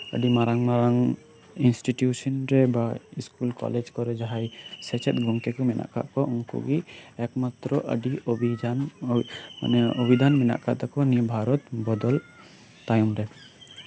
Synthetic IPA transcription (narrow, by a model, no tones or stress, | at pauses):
ə̰ɖimaɾaŋmaɾaŋ | insʈiʈjusɔnɾɛbaiskulkɔ̰led͡ʒkɔɾɛd͡ʒaɦajsɛt͡ʃʰɛt̪̚ɡʱɔŋkɛkɔmɛnʔa̰ʔka̰ʔkɔʔuŋkṵɡiɛkmat̪ɾɔʔə̰ɖiobid͡ʒan | a̰nɛobid̪ʱanmɛna̰ʔkʰa̰ʔt̪akɔnibʱaɾɔt̪bɔd̪ɔl | t̪ajɔmɾɛ